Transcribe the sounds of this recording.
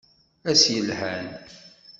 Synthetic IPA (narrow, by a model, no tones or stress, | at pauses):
æsjəlhæn